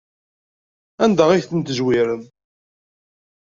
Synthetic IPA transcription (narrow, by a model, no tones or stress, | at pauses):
ænd̪æiθənt̪əʒwiɾən